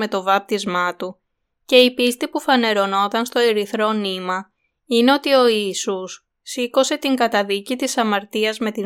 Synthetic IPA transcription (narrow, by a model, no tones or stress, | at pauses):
me̞t̪o̞vɐp̚t̪izmɐt̪u | ce̞ipist̪ipufɐne̞ɾo̞no̞t̪ɐnst̪o̞eɾiθɾo̞nimɐ | ine̞o̞t̪io̞iisusː | iko̞se̞t̪iŋɡɐt̪ɐðicit̪isɐmɐɾt̪iɐzme̞t̪i